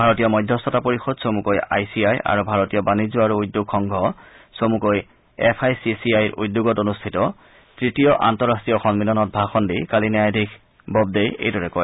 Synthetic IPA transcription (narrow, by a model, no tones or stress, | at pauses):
bʱaɹɔtijɔmɔjdʱjɔstɔtapoɹixɔdsomukoja̰jsiaja̰ɹubʱaɹɔtijɔbanizuaɹuujdːuɡxɔŋɡʱɔ | somukoj | ɛpʰajsisiajɹʔṵjdːuɡɔtonustʰitɔ | tɹitijɔʔa̰ntɔɹastɹijɔxɔŋmilɔnɔt̚bʱaxɔndikalinjajdʱikʰ | bɔb̚dejḛjdɔɹɛkɔj